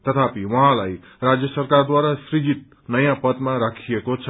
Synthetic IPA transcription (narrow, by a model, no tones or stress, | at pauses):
t̪ʌt̪ʰapiwʌɦãlaj | ɾad͡zjʌsərkard̪waɾasɾid͡zit̪̚ | nʌjãpʌt̪mãɾakʰijekot͡sʰʌ